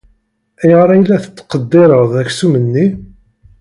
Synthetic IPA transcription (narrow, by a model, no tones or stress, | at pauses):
æjəʁɾˤɑjlːæθə̥t͡sːqəd̪ːɪɾˤəʁðˤæçsumənːi